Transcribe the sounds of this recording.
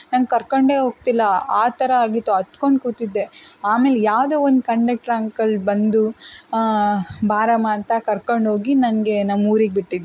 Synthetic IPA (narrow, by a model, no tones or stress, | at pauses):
nɐŋɡ̚kɐɾkoɳɖe̞ːɦoːɡ̚t̪ilːɐaːt̪ʰɐɾɐaːɡit̪ːuɐt̪koɳɖkuːt̪id̪ːe̞aːme̞ːlejaːʋd̪eːond̪kɐɳɖek̚ʈɾaːŋkɐlbɐnd̪u | bʱaːɾɐmaːnt̪ɐkɐɾkoɳɖɦo̞ːɡinɐnɐɡe̞nɐmːuːɾiɡ̚biʈːid̪ː